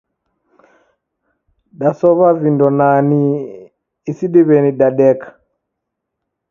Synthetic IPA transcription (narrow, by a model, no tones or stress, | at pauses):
ɗasɔβavindɔnaniː | siɗiβɛniɗaɗɛkḁ